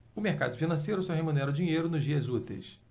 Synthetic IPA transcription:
ʊmeχka̰d̪ʊfinɐ̃s̬ejɾʊsɔɦemunɛɾɐʊd͡ʒiɲejɾʊnʊzd͡ʒiɐzut̪ḛjs

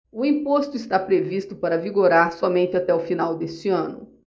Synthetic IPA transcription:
ʊĩpost̪ʊist̪apɾevist̪ʊpaɾɐviɡoɾaɾsɔmẽnt͡ʃɪat̪ɛʊfinawd̪est͡ʃɪɐ̃nʊ̰

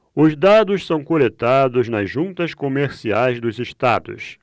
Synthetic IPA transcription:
ʊzd̪ad̪ʊʃsɐ̃w̃kolet̪ad̪ʊznɐzʒũnt̪ɐskomeɾsiajzd̪ʊziʃt̪ad̪ʊ̰s

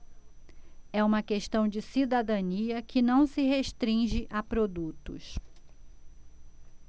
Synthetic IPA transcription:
ɛũmɐkeʃt̪ɐ̃w̃d͡ʒɪsid̪ad̪ɐ̃niɐkɪnɐ̃w̃sɪɦeʃt̪ɾĩʒɪʔapɾod̪ut̪ʊ̰s

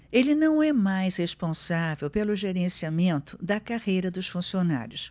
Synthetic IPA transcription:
elɪnɐ̃w̃ɛmajshespõsavewpelʊʒeɾẽsiamẽnt̪ʊ̥d̪ɐkahejɾɐd̪ʊsfũsiona̰ɾjʊs

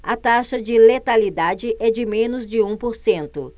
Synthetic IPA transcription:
ɐt̪aʃɐd͡ʒɪlet̪alid̪ad͡ʒɪʔɛd͡ʒɪmẽnʊzd͡ʒɪũpoɾsẽnt̪ʊ̰

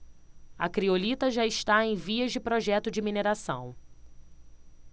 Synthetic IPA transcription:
ɐkɾiolit̪ɐʒaɪʃt̪aẽj̃viɐzd͡ʒɪpɾoʒɛt̪ʊd͡ʒɪmineɾasɐ̰̃w̃

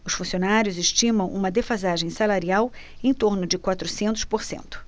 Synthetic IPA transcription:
ʊsfũsionaɾjʊzeʃt͡ʃĩmɐ̃w̃ʔṵ̃mɐd̪efazaʒẽj̃salaɾiawẽj̃t̪oɾnʊd͡ʒɪkwat̪ɾʊsẽnt̪ʊ̥spoɾsḛ̃nt̪ʊ̥

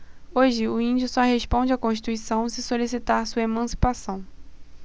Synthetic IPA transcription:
oʒɪʊĩd͡ʒʊsɔɦespõd͡ʒɪakõʃt͡ʃi̥t̪uisɐ̃w̃sɪsolisit̪aɾsuɐemɐ̃si̥pasɐ̃w̃

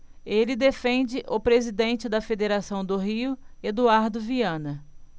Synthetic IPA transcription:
elɪd̪efẽnd͡ʒɪʔʊpɾezid̪ẽnt͡ʃɪd̪ɐfed̪eɾasɐ̃w̃d̪ʊɦiʊed̪uaɾd̪ʊviɐ̃nɐ

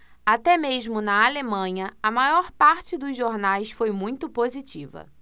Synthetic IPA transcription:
at̪ɛmeʒmʊnɐalemɐ̃ɲɐɐmajɔɾpaɾt͡ʃɪd̪ʊzʒoɾnajsfojmũj̃t̪ʊpozit͡ʃivɐ̰

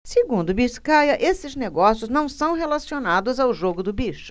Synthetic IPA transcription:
seɡũnd̪ʊbiʃkajɐʔesɪzneɡɔsijʊznɐ̃w̃sɐ̃w̃ɦelasionad̪ʊzawʒoɡʊd̪ʊbiʃʊ̥

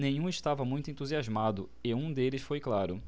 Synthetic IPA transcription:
nẽj̃ũɪʃt̪avɐmũj̃t̪ʊẽnt̪uziazmad̪ʊ | ɪũd̪elɪsfojklaɾʊ

